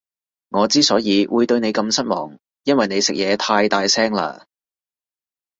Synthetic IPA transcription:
ŋɔː˨˧t͡siː˥sɔː˨˥jiː˨˧wuː˨˧jt̪ɵ˧ɥne˨˧jkɐ˧msɐ˥t̚mɔː˨˩ŋ | jɐ˥nwɐ˨jne˨˧jsɪ˨k̚jɛː˨˧t̪ʰaː˧jt̪aː˨˧jsɛː˥ŋla̰ː˧

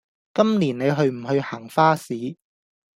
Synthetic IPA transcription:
kɐ˥mliː˨˩nne˨˧jɦɵ˧ɥm̩˨˩hɵ˧ɥhaː˨˩ŋfaː˥siː˨˥

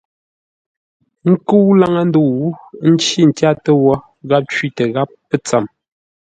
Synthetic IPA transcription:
ŋ̩˦ku˦la˦ŋə˦n˦du˦˨˦n̩˦t͡ʃi˦n̩˨tja˦tə˦wɔ˦ | ɣa˦p̚t͡ʃɥi˦tə˨ɣa˦pːə˦t͡sa˨m

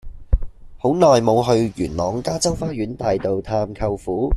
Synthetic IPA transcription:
ho˨˥wnɔː˨jmo˨˧wɦɵ˧ɥjyː˨˩nlɔː˨˥ŋkaː˥t͡sɐ˥wfaː˥jyː˨˥nt̪aː˨jt̪o˨wt̪ʰaː˧mkʰɐ˧wfuː˨˥

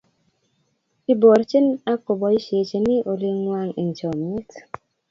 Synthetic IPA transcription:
i˦bo˨ɾt͡ʃɪ˦na˦kʊ˨bɔ˨i˦ʃe˨t͡ʃe˨nɪ˦ʔo˨li˦ŋːwa˦ŋḭ˨nt͡ʃɔ˨me˦t

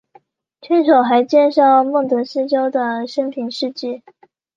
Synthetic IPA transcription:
t͡ɕʰɛ˥nʂo˨˩ʊxa˧˥ɪt͡ɕjɛ˥˧nʂɑ˥˧ʊmɤ˥˩ŋt̪wə˧˥nʂɻ̩˥˧t͡ɕjɑ˥ʊd̪ə˨ʂə˥ŋpʰi˧˩˦ŋʂɻ̩˥˧t͡ɕi˥˩

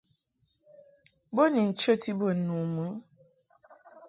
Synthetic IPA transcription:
bo˦ni˨n̩˨t͡ʃə˦ti˦bo˦˨n̩˨nu˨mu˨˦

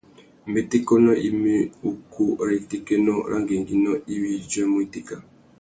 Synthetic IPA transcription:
mbe˨te˦kɔ˦nɔ˦ʔi˦me˦u˦kʰu˦ɾa˨i˨te˦ke˦nɔ˦˨ɾʔa̰˦ŋɡe˨ŋɡi˦nɔ˦i˦wi˦d͡ʒɛ˦mo˦i˨te˦ka˨

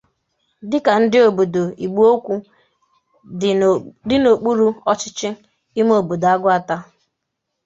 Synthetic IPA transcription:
dɪ˦ka˨n̩˦dɪ˦o˨bo˨do˨i˨ɡ͡bu˦o˦kʷu˦ | dɪ˦no˨k͡pu˦ɾu˦ɔ˦t͡ʃɪ˦t͡ʃɪ˦ | i˦m˦o˨bo˨da˦ɡʊ˦a˦ta˦

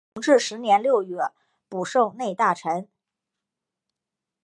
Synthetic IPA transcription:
ŋʈ͡ʂɻ̩˥˩ʂɻ̩˧˥njɛ˧˥nljo˥˧ʊɥɛ˥˩ | pu˨˩ʂo˥˧ʊne˥˧ɪt̪a˥˩ʈ͡ʂʰə˧˥n

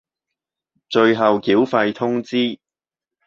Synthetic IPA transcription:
t͡ʃɵ˧ɥɦɐ˨wkiː˨˥wfɐ˧jt̪ʰʊ˥ŋt͡siː˥

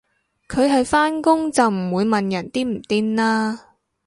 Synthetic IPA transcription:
kʰɵ˨˧ɥɦɐ˨jfaː˥nkʊ˥ŋt͡sɐ˨wm̩˨˩wuː˨˧jmɐ˨njɐ˨˩nt̪iː˥m̩˨˩t̪iː˥nlaː˥

